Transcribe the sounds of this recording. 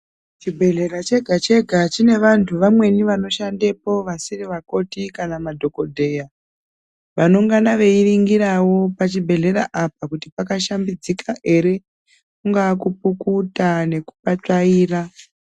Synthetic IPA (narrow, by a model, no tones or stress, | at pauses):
t͡ʃibʱe̞ɮe̞rat͡ʃe̞ɡʱat͡ʃe̞ɡʱat͡ʃine̞ʋantʰuʋamwe̞niʋano̞ʃande̞po̞ʋasiriʋako̞tikanamadʱo̞ko̞dʱe̞ːja | ʋano̞ŋɡanaʋe̞iriŋɡiɾawo̞pat͡ʃibʱe̞ɮe̞ɾaʔap̚akutipakaʃambid͡zikʰaʔe̞ɾe̞ | kuŋɡaːkupukutane̞ku̥pat͡ʂaiːra